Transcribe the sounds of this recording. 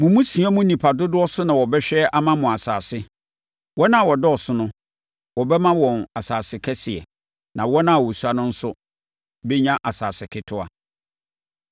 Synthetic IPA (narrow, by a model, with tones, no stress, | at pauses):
mʊ̃˨mũ˦si˨˦a˦mʊ̃˦nĩ˨pʰa˨dʊ˦dʊ˦ɔ˦sʊ˦nã˨wɔ˨bɛ˦ɕᶣɛ˦ʔa˦mã˦mʊ̃˨a˨sa̰ː˨sɪ˦ | wɔ˦nã˦a˨wɔ˨dɛ˦ɔ˨sʊ˦nʊ̃˦ | wɔ˨bɛ˦mã˦wɔ̃˨na˨saː˨sɪ˨kʰɛ˦sɪ˨ɛ̰˨ | nã˨wɔ˦nã˦a˨wɔ˨su˨˦a˦nʊ̃˦n̩˦sʊ˦ | be˦ɲã˦ʔa˨saː˨sɪ˨kʰɪ˦tʰʊ˦a̰˨